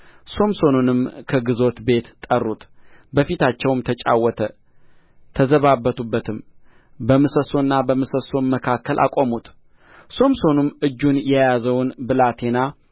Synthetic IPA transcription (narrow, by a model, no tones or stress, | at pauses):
so̞mso̞nunɨmkʰəɡɨzo̞t̪be̞t̪t̪ʼːərːut̪bəfit̪ʰat͡ʃːɛwmt̪ʰət͡ʃʼa̰wːɔt̪ʰə | t̪ʰəzəβabːət̪ʰubːət̪ʰɨm | bəmɨsəso̞nːabəmɨsəso̞nməkʰakʰːəlʔa̰kʼomut̪ | so̞mso̞nɨmɨd͡ʒːunjɛjazəwnbɨlat̪ʰe̞na